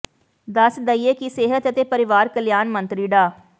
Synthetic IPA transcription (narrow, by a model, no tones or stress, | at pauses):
d̪ɐsd̪əieːkiseːɦət̪ət̪eːpəɾɪʋaːɾkəljaːnmə̃nt̪ɾiːɖaː